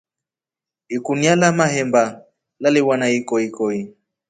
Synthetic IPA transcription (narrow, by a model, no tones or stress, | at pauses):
ikunialamaɦɛmba | laliwanaikɔikɔi